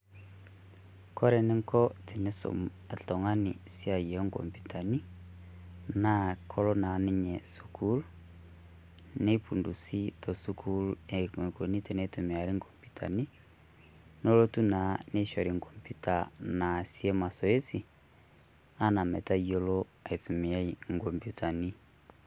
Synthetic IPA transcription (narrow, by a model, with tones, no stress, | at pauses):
kɔ˦ɾɛ˨ne˦ŋkɔ˦te˨ne˦so̰˨ | e˨tɔ˨ŋa˦ni˨sja˨jɛ˨˦ŋkɔ̰˨mpu˨tʰa˨ni˦ | na˦kʰɔ˦lo˦na˨˦ne˦ɲɛ˨su˨kʰu˦l | ne˦pu˨ndu˨si˦tɔ˨su˦kʰu˦le˨e˨ko˨ni˦tɛ˨ne˦tu˨mi˨a˨ɾi˦ŋkɔ˨mpu˨tʰa̰˨ni˦ | no˦lo˦tu˦na˨˦ne˦ʃɔ˨ɾi˨ŋkɔ˨mpju˦ta˨na˨si˦ɛ˦ma˨sɔ˨e˦si˨ | a˦na˨mɛ˨ta˦jo˦lɔ˦a˨i˨tu˨mi˨a˦i˦˨ŋkɔ˨mpju˦tʰa˨ni˦